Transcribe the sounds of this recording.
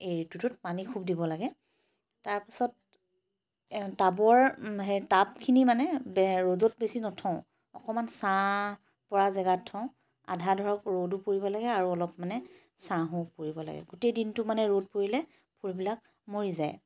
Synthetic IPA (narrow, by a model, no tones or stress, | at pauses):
ejɹitutʊt̚panikʰub̚dibɔlaɡɛ | taɹpḁsɔt̚ | tabɔɹɦɛtabkʰinimanɛbɛɹozot̚besinɔtʰɔ̃ʊ̃ | ɔ̰kɔmansã | pɔɹazɛɡatʰːɔ̃ | a̰dʱadʱɔɹɔkɹodupoɹibɔlaɡɛaɹuɔlɔpmanɛ | sãɦõpoɹibɔla̰ɡɛ̰ɡutejdintʊmanɛɹod̚poɹilɛ | pʰuɹibilak̚ | moɹizaj